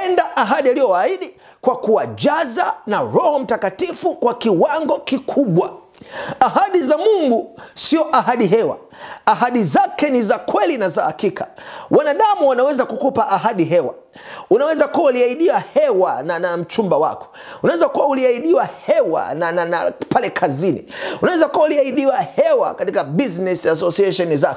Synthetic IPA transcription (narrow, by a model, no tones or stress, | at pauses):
ɛndaʔaɦaɗialijɔwaːiɗi | kwakuwaʄazanaɾɔhɔm̩takatifukwakiwaŋɡɔkikʰuɓwa | aɦaɗizamuŋɡusiɔʔaɦaɗiɦɛwa̰ | aɦaɗizakɛnizakwɛlinazahakikʰawanaɗamuwanawɛzakukupaʔaɦaɗiɦɛwa̰ | unawɛzakuwauliaiɗiwahɛwananam̩t͡ʃumbawa̰kɔ̥ | unawɛzakuwauliaiɗiwahɛwa̰nananapʰalɛkʰazinḭunawɛzakuauliaiɗiwahɛwa̰katikaɓiznɛsjaːsɔsiɛʃɔnizak